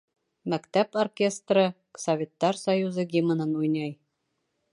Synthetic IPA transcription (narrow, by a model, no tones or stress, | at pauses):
mækt̪æporkʲe̞st̪rɤ | sovʲe̞t̪ːɑɾsɐjuzɤɡʲimɤ̆nɤnujnɑj